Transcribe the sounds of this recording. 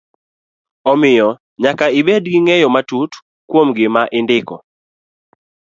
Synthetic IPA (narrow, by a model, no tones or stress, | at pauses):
ɔmɪjɔ | ɲakaibedɡɪŋɛjɔmatut | kwomɡɪmaʔɪndɪkɔ̰